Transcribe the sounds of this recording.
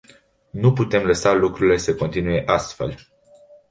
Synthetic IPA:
nuput̪e̞mləsalukɾuɾile̞səko̞nt̪inuje̞ʔast̪fe̞̰l

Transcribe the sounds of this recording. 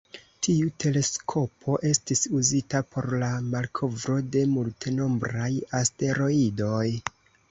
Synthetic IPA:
tʰiute̞le̞skʰo̞pʰo̞ʔe̞stisuzitapʰo̞ɾlamalkʰo̞vɾo̞de̞multeno̞mbɾajaste̞ɾo̞ido̞j

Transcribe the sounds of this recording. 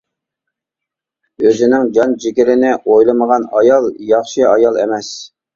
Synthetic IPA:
øzɪnɪŋd͡ʒɑnd͡ʒikʲɪlɪnɪʔojlˠɨməʁɑnɑjɑlˠjɑχʃɨɑjɑlˠḛmɛs

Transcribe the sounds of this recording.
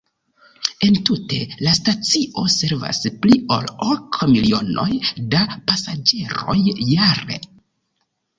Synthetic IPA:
e̞ntute̞lastat͡siʔo̞se̞ɾva̰splio̞̰lokmilio̞no̞̰jdapasad͡ʒe̞ɾo̞̰jːaɾe̞̰

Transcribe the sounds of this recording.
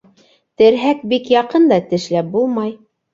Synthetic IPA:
t̪ɘ̆ɾɦæk̚bikjɑqɤnd̪ɑt̪ɘ̆ʃlæp̚bulˠmɑj

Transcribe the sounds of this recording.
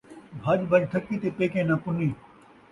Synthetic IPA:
bʱaːʄbʱɐd͡ʒt̪ʰɐkːit̪epeːkẽːnãːpʊnĩː

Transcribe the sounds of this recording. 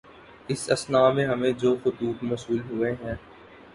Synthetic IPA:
ɪsɐsnaːmẽɦɐmẽd͡ʒoːxʊt̪uːt̪mɐsuːlɦʊeɦɛ̃ː

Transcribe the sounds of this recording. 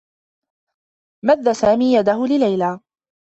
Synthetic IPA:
maðːasaːmiːjad̪ahʊlɪlajlaː

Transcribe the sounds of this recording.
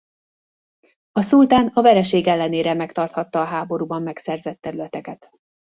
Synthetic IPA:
ɒsult̪aːnɒvɛɾɛʃeːɡɛlːɛneːɾɛmɛkt̪ɒrt̪hɒt̪ːɒːɦaːbo̞ɾuːbɒmːɛksɛrzɛt̪ːɛɾylɛt̪ɛkɛt̪

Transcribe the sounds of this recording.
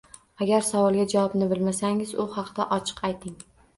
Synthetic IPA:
aɡʲaɾsavɒlˠɡʲad͡ʒawɒbnɪbɪlmasaŋɪzʊhɑqd̪aʔɒt͡ʃʰɨ̥qʰajt̪ʰɪŋ

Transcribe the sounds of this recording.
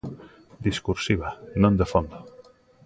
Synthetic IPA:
d̪iskuɾsiβanõnd̪efond̪o

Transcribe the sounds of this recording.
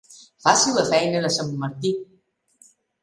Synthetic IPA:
fasiləfɛjnələsəmmaɾt̪i

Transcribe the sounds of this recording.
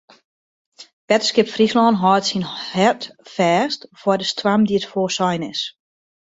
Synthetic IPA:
b̥ɛtskɪpfrislɔːnɦɔːtsinhɛtfɛːstfɔdəstwamdiətfoːsɔjnɪs

